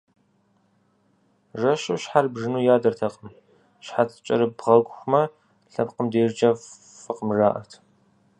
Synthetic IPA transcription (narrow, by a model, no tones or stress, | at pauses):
ʐɐɕɪɕħarbʒɨnuːjaːdɐrtʰɐqʼəm | ɕħatʰt͡ʃʼɐ̰ɾɨbʁɐɡʷʊxʷʊmɐ | ɬɐpqəmdeːrd͡ʒɐf | fɨqəmraːʔɐ̰rtʰ